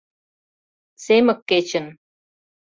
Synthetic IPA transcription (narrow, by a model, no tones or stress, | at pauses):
semə̆kːet͡ɕə̆n